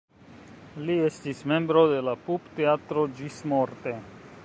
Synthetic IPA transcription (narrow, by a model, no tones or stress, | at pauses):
liest̪ismembɾod̪elapupt̪eat̪ɾod͡ʒismoɾt̪e